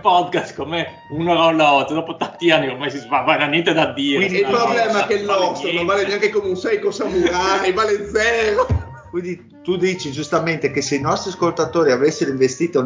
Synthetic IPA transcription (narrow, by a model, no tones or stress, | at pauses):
pɔd̪kast̪kome | unoɾɔlaɔt̪ːd̪oːpot̪ant̪ianːiormajsizvavananjɛnt̪ed̪ad̪ːiːɾeinɛilpɾoblɛːmakelːɔsnõnvaːleneaŋkekomeunsɛjkosamuɾajvaːled̪zɛːɾo | kwind̪i | t̪ud̪iːt͡ʃid͡ʒust̪ament̪ekeseinɔst̪ɾiaskolt̪at̪oːɾiavesːeɾoiɱvest̪iːt̪o